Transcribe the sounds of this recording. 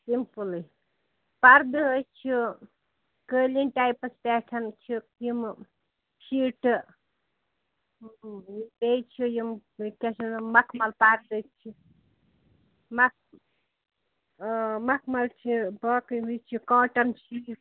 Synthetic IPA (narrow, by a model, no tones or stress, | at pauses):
simpulɨ | paɾd̪ɨɦəjt͡ʃʰi | kəːlinʈajpɐspʲɛːʈʰɐnt͡ʃʰijim | ʃiʈ | bejt͡ʃʰijimkʲesɐmɐkʰmɐlpaɾd̪ɨt͡ʃʰi | mɐk̚ | mɐkʰmɐlt͡ʃʰibɐːkɦujt͡ʃʰikɔːʈɐnt͡ʃʰi